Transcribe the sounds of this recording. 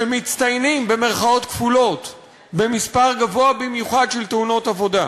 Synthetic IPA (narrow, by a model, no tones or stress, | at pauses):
emit͡st̪ajnimbe̞me̞ʁχao̞t̪kfulo̞t̪ | be̞mispaʁɡavoabimjuχad̪ʃelteuno̞tavo̞da